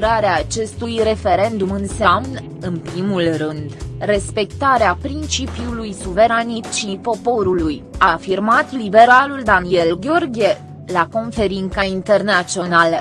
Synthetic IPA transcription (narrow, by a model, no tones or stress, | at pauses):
ɾaɾeaːt͡ʃe̞st̪ujre̞fe̞ɾe̞nd̪umɨnseamn | ɨnpɾimulrɨnd̪re̞spe̞kt̪aɾeapɾint͡ʃipjulujsuve̞ɾanit̪ʃipo̞po̞ɾulujafirmat̪libe̞ɾaluld̪anie̞lɡʲeo̞rɡʲie | lako̞nfe̞ɾint̪saint̪e̞rnat̪sio̞nalə